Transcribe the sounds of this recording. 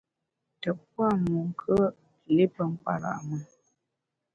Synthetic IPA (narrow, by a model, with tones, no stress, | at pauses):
tə˨p̚wa˦˨mu˨ŋ˨kʰə˦˨ | le˦pə˦˨ŋ̩˦k͡pa̰˨ɾa̰˨ʔmə˨